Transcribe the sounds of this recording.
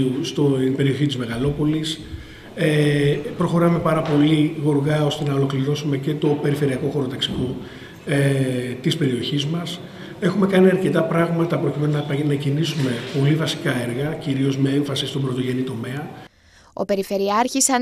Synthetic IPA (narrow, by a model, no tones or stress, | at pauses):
ust̪ope̞ɾio̞çit̪izme̞ɣɐlo̞po̞lis | epɾo̞xo̞ɾɐme̞pɐɾɐpo̞liɣo̞ɾɣɐo̞st̪e̞nɐo̞lo̞kliɾo̞sume̞ce̞t̪o̞pe̞ɾife̞ɾiɐko̞xo̞ɾo̞t̪ɐksi̥ko̞ | t̪ispe̞ɾio̞çizmɐs | e̞xume̞kɐniɐɾce̞t̪ɐpɾɐɣmɐt̪ɐpɾo̞cimenunɐpɐnɐcinisume̞po̞livɐsi̥kɐe̞ɾɣɐciɾio̞zme̞e̞ɱfɐsist̪o̞mbɾo̞t̪o̞ʝe̞nit̪o̞me̞ɐ | o̞̰pe̞ɾife̞ɾiɐɾçisɐ